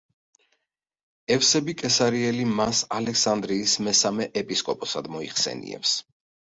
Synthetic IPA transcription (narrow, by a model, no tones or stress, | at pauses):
ɛfsɛbikʼɛsaɾiɛlimasalɛksand̪ɾiːsmɛsamɛʔɛpʼiskʼɔpʼɔsad̪mɔiχsɛ̰nḭɛ̰ps